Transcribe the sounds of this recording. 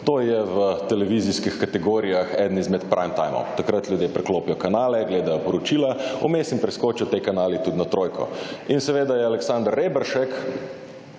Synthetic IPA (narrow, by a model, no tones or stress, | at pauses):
t̪oːjɛʋət̪ɛlɛʋiziskixkat̪ɛɡoːɾijaxɛd̪n̩izmɛt̪pɾʔamt̪a̰jmɔ̰mt̪akɾat̪ljuʊd̪jepɾɛkloːpijɔkanaːlɛɡleːd̪ajɔpɔɾɔt͡ʃiːlaɔmeːsimpɾɛskoːt͡ʃɔt̪ekanaːlit̪ud̪nat̪ɾoːjkɔ̰insɛʋeːd̪ajɛalɛksand̪əɾːeːbɛɾʃɛk